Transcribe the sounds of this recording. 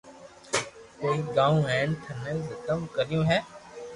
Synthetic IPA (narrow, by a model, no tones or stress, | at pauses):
koːiːɡãːũːɦɛːnt̪ʰənezəkəmkəɾɪjõːɦɛː